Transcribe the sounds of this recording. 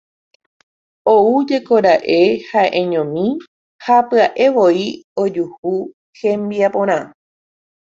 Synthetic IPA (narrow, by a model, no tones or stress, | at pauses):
oud͡ʒe̞koɾaʔe̞haʔẽɲõmĩ | hapɨaʔe̞ʋo̞io̞d͡ʒuhu | hẽmbiapõɾ̃ã